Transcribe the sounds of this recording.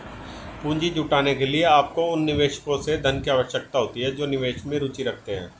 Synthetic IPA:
pũːɲd͡ʒid͡ʒʱuːʈaːnekelieaːp̚koʊnːɪʋeːʃə̥kõsed̪ʱɐnkiaːʋəʃjək̚t̪aɦoːt̪iɦɛd͡ʒoːnɪʋeːʃmẽɾuːt͡ʃiɾɐk̚ʰt̪eɦɛ̰̃ː

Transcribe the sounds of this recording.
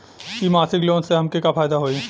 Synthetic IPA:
kimaːsɪkloːnseɦɐmkekapʰaːjd̪aɦoi

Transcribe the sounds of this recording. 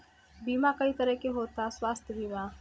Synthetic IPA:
biːmakɐit̪ɐɾəɦkeɦoːt̪aswaːst̪ʰjəbiːma

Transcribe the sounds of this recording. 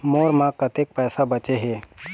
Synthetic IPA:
moːɾmãkət̪ek̚pɛːsabət͡ʃeɦeː

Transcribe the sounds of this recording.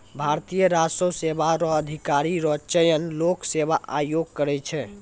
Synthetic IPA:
bʱaɾt̪ijəɾasosebaɾɔːd̪ʱikaɾiɾɔt͡ʃəjənloksebaʔajoɡ̚kəɾɛt͡ʃʰɛ

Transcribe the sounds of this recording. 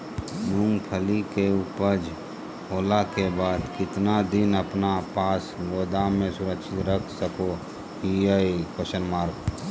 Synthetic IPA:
mũŋɡpʰəlikeuːpəɾd͡ʒ | oːlakebaːd̪kɪt̪nad̪ɪnəpnapaːsɡoːd̪amẽsʊɾəkʃɪt̪ɾəkʰsəko | iəikoʃənmaːɾk

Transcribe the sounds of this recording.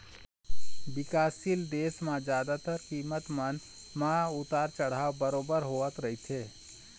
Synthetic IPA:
bɪkaːsild̪eːsmãd͡ʒjaːd̪at̪əɾkiːmət̪mən | mãʊt̪aːɾt͡ʃəɽ̤aːwbəɾoːbəɾɦoːət̪ɾəɦit̪ʰeː

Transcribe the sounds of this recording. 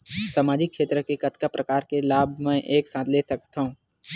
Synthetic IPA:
samaːd͡ʒɪkʃeːt̪ɾəkekɐt̪kapɾɐkaːɾkelaːbʱmɛ̃ʔeːksãːt̪ʰleːsɐkt̪aɦũː

